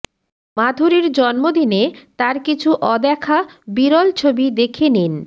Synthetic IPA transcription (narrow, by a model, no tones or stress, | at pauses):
mad̪ʱoɾiɾd͡ʑɔnmod̪inet̪aɾkit͡ɕʰuʔɔd̪ɛkʰabiɾɔlt͡ɕʰobid̪ekʰenin